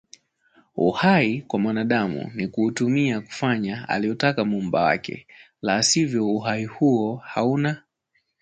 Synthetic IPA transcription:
ṵhaikwamwanaɗamṵnikuːtumiaku̥faɲaa̰liɔtakamumba̰wa̰kɛ̰ | laːsivjɔuɦaihuɔhauna

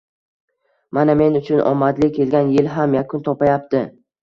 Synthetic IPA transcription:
maname̞nʊt͡ʃʰʊnʔɒ̰mːad̪lɪkʲʰe̞lɡʲanjɪlɦamjakʰʊnt̪ʰɒpajap̚t̪ɪ

